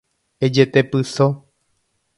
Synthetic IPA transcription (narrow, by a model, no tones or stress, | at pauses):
ed͡ʒet̪epɨso